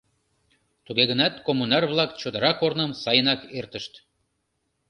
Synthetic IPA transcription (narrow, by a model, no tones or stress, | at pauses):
t̪uɣeɣənɑt̪komːunɑrβlɑkt͡ɕod̪əɾɑkornəmsɑjənɑkert̪əʃt̪